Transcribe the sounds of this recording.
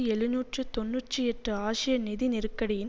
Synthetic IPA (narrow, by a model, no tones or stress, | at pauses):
iɛɻɯnuːʈrɯt̪ɔnːuʈrɯɛʈrɯaːʂɪjɐnɪðinɪɾɯkːɐɽɪjɪn